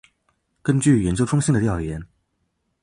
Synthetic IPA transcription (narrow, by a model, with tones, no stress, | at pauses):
kə˥nt͡ɕy˥˩jɛ˧˥nt͡ɕjʊʈ͡ʂʰʊ˥ŋɕi˥˩ŋd̪ə˩ljɑ˥˩ʊjɛ˧˥˦n